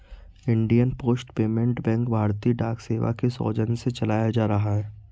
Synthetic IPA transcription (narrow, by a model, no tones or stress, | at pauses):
ɪ̃ɳɖijənpoːsʈpeːmẽɳʈbɛ̃ŋkbʱaːɾt̪iːɖaːkseːʋa̰kesɔ̰ːd͡ʒənset͡ʃɐlaːjad͡ʒaːɾɐɦaɦɛː